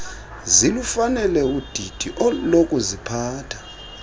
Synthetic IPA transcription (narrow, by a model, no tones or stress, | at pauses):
zilufanɛlɛud̥ʱid̥ʱiʔɔlokʼuzipʰaːtʰḁ